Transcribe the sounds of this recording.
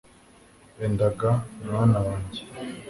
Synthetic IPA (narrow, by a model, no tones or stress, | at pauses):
endaɡaumŋaːnawaːɲɟe